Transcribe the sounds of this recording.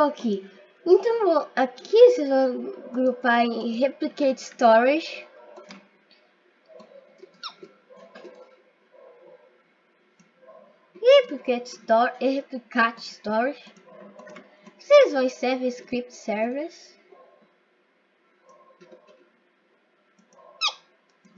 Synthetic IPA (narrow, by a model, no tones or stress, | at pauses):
okʰi | ẽnt̪ɐ̃w̃akʰisezvõɡɾupaɾẽɦɛpliket͡ʃst̪ɔɾiʒ | hɛpliket͡ʃst̪ɔɾeheplikat͡ʃst̪ɔɾiʒ | sejzvɐ̃w̃sɛvẽskɾip̚t̪sɛɾvis